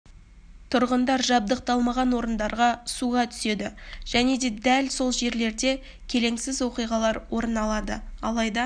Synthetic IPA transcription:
t̪ʰʊɾʁənd̪ɑɾʒɑb̚d̪əq̚t̪ɑlˠmɑʁɑnwo̞ɾənd̪ɑɾʁɑsuʁɑt̪ʰʏ̥se̞d̪ɪʒ̥æne̞d̪e̞d̪ælso̞lˠʒe̞ɾle̞ɾd̪e̞ | kʲʰe̞le̞ŋsɪzwo̞qijʁɑlˠɑɾwo̞ɾənɑlˠɑd̪ə̰ɑlˠɑjd̪ɑ

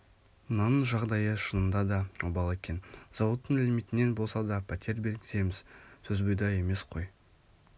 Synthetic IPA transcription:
mənɑnəɴʒɑʁd̪ɑjəʃənəmd̪ɑd̪ɑubɑlˠekʲe̞nz̥ɑwət̪ːəɴælmijt̪ɪne̞nbo̞lˠsɑd̪ɑpʰæt̪ʰʲe̞ɾbe̞lɡʲɪze̞mɪz̥sʰɵzbojd̪ɑje̞me̞sqʰo̞j

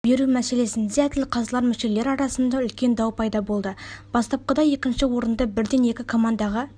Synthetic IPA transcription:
be̞ɾumæse̞le̞sɪnzæt̪ɪlqʰɑzlˠɑɾmɪʃe̞le̞ɾɑɾɑsənd̪ɑʏlkʲe̞nd̪ɑwpʰɑjd̪ɑbo̞lˠd̪əb̥ɑst̪ɑp̚qəd̪ɑje̞kʲɪnʃɪwo̞ɾənd̪ɑbɪɾd̪e̞ne̞kʲɪkʰo̞mɑnd̪ɑʁɑ

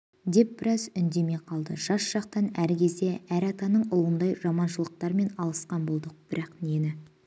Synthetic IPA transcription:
d̪e̞p̚bɪɾɑzʏnd̪e̞me̞qʰɑlˠd̪ə̰ʒ̥ɑsʒ̥ɑq̚t̪ɑnæɾkʲʰe̞zd̪e̞æɾɑt̪ɑnəɴʊlˠənd̪ɑjʒɑmɑnʃəlˠəq̚t̪ɑɾme̞nɑlˠəsqɑnbo̞lˠd̪əq̚b̥ɪɾʔɑqnenɪ

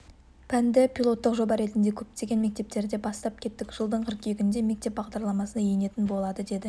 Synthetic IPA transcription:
pʰænd̪ɪpʰʲilˠo̞t̪ːəqʒo̞bɑɾe̞t̪ɪnd̪e̞kʲʰɵp̚t̪e̞ɡʲe̞nme̞k̚t̪e̞p̚t̪e̞ɾd̪e̞bɑst̪ɑp̚kʲʰe̞t̪ːɪkʲʒ̥əlˠd̪əɴqʰɪɾkʲʰejɡʲɪnd̪e̞me̞k̚t̪e̞p̚bɑʁd̪ɑɾlˠɑmɑsənɑjene̞t̪ɪnbo̞lˠɑd̪əd̪e̞d̪ɪ

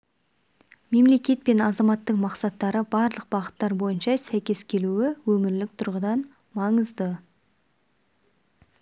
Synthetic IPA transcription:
me̞mle̞kʲe̞t̪̚pe̞nɑzɑmɑt̪ːəɴmɑqsɑt̪ːɑɾəbɑɾlˠəq̚b̥ɑʁət̪ːɑɾbo̞jənʃɑsæjkʲe̞skʲʰe̞luwɪwɵmɪɾlɪk̚t̪ʰʊɾʁəd̪ɑn | mɑɴəzd̪ə

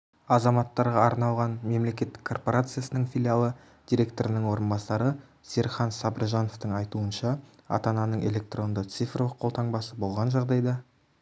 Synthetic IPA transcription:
ɑzɑmɑt̪ːɑɾʁɑɑɾnɑlˠʁɑnme̞mle̞kʲe̞t̪ːɪ̥kʰːo̞rpo̞ɾat̪sɨjasənəɴfʲilʲialˠə | d̪̥iɾʲe̞k̚t̪o̞ɾənəɴwo̞ɾənbɑsɑɾə | seɾχɑnsɑbəɾʒɑno̞ft̪əɴɑjt̪uənʃɑ | ɑ̰t̪ɑnɑnəɴe̞lʲe̞k̚t̪ro̞nd̪ət̪sifrolˠəqʰːo̞lˠt̪ʰɑɴbɑsəbo̞lˠʁɑnʒɑʁd̪ɑjd̪ɑ

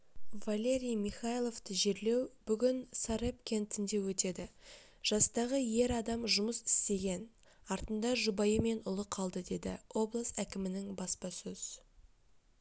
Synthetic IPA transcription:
valʲe̞ɾʲijmiχajlˠo̞vt̪əʒe̞ɾle̞wb̥ʏɡʲɪnsaɾep̚kʲe̞nt̪ʰɪnd̪e̞wɵt̪e̞d̪ɪ | ʒ̥ɑst̪ɑʁəje̞ɾɑd̪ɑmʒʊməsɪ̥st̪e̞ɡʲe̞n | ɑɾt̪ənd̪ɑʒʊbɑjəme̞nʊlˠəqʰɑlˠd̪əd̪e̞d̪ɪ̰o̞blˠəst̪ækʲɪmɪnɪŋbɑspɑsɵz̥

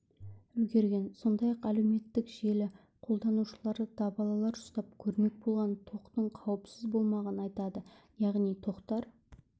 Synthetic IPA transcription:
ʏlɡʲe̞ɾɡʲe̞nso̞nd̪ɑjɑqælewme̞t̪ːɪkʒe̞lɪ | qʰo̞lˠd̪ɑnuʃəlˠɑɾəd̪̥ɑbɑlˠɑlˠɑɾʒʊ̥st̪ɑp̚kʲʰɵɾme̞k̚bo̞lˠʁɑnt̪ʰo̞qt̪əɴqʰɑwəpsɪzbo̞lˠmɑʁɑnəɑjt̪ɑd̪ə | jɑʁnijt̪ʰo̞qt̪ɑɾ

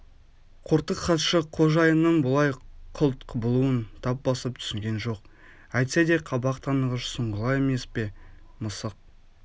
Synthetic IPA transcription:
qʰʊɾt̪əqχɑt̪ʃəqʰo̞ʒɑjənːəɴbʊlˠɑjqʰʊlˠt̪qəbʊlˠuənt̪ʰɑp̚bɑsəp̚t̪ʰʏ̥sɪŋɡʲe̞nʒo̞q | æjt̪sed̪eqʰɑbɑqt̪ʰɑnəʁəʃsəɴʁəlˠɑje̞me̞spe̞ | məsəq̚

